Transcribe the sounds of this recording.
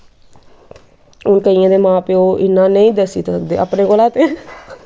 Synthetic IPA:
ʊnkəijãːd̪eːmãːpeːoːʔɪnãːnəĩːd̪əsiːt̪səkd̪ḛːə̰pneːkoːlaːt̪eː

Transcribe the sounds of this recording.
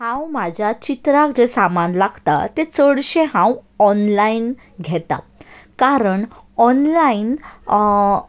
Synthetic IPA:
hãwmad͡ʑʱjat͡ɕit̪ɾakd͡ʑesamanlaɡt̪a̰t̪et͡səɽɕẽɦãwɔnlain | ɡʱɛt̪a̰ | kaɾəɳ | ɔnlain

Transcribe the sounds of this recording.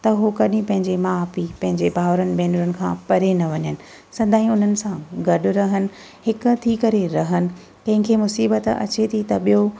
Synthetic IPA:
t̪ɐɦokɐɗĩpɐ̃ɦɪ̃ɲd͡ʑemãːpipɐ̃ɦɪ̃ɲd͡ʑebʱaːʋɾənɪ̆bɛːnuːɾənɪ̆kʰãːpɐɾenɐʋɐɲənɪ̆ | sɐ̃nd̪ʱaːĩʊn̤ənɪ̆sãɡɐɗʊ̆ɾɐɦənɪ̆ | ɦɪkʊt̪ʰikɐɾeɾɐɦənɪ̆ | kɐ̃ɦɪ̃ŋkʰeːmʊsiːbət̪ɐ̰t͡ɕet̪ʰit̪ɐɓijo

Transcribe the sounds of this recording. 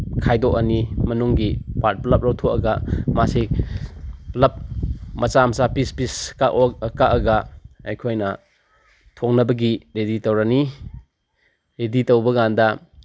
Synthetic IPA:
kʰajdɔkɐnimɐnuŋɡipaɾt̚plɐp̚ɾɐwtʰokɐɡɐmase | plɐp̚mɐt͡ʃamsapispiskaʔkaʔɐɡɐa̰jkʰojnɐ | tʰoŋnɐbɐɡiɾeditowɾɐni | ɾeditɐwbɐɡandɐ

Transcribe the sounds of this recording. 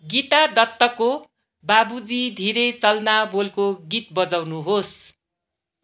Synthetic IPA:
ɡit̪ad̪ʌt̪ːʌko | babud͡zid̪ʱiɾʌjt͡sʌlnabolkoɡit̪̚bʌd͡zawnuɦos

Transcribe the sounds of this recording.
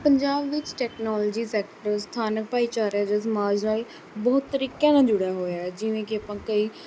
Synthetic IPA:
pəɲd͡ʒaːbʋɪt͡ʃʈɛːknɔːlːd͡ʒiːsɛːkʈəɾst̪ʰaːnək̚paːiːt͡ʃaːɾjaːd͡ʒaːsəmaːd͡ʒnaːl | bɔːt̪ːəɾiːkãːnãːd͡ʒʊɽaːɦoːjaːɛd͡ʒɪʋẽːkɪəpãːkəiː

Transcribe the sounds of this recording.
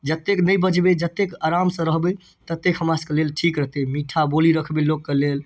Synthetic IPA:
d͡ʒət̪ːeknəjbəd͡ʒbed͡ʒət̪ːekaɾamsə̃ɾəɦbə | t̪ət̪ːekɦəmaskelelʈʰikɾəɦt̪emiʈʰaboliɾəkʰbelokkelel

